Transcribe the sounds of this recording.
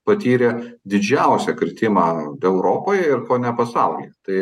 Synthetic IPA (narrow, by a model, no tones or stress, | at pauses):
pɐt̪ʲiːɾʲɛd̪ʲɪd͡ʒʲɛʊsʲɛkɾʲɪt̪ʲɪmɑːɛʊɾoːpoːjɛɪɾkoːnʲɛpɐsɐʊlʲḭt̪ɐɪ